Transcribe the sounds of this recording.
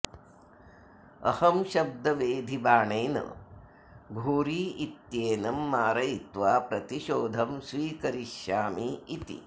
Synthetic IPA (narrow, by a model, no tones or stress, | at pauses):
ɐ̰hɐmʃɐb̚d̪ɐʋeːd̪ʱibaːɳɐjnɐ̰ | ɡʱuːɾiːit̪jeːnɐmːaːɾɐjit̪ʋaːpɾɐt̪iʃoːd̪ʱɐmsʋiːkɐɾiʃjaːmiːt̪ḭ